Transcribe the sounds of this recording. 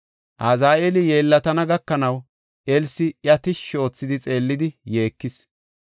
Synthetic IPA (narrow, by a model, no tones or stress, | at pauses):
ʔazaːʔelɪje̞ːlːɐt̪ɐnɐɡɐkːɐnɐw | ʔelsɪjɐt̪ɪʃo̞ːt͡sːɪd̪ɪt͡sʼe̞ːlːɪd̪ɪje̞ːkːɪs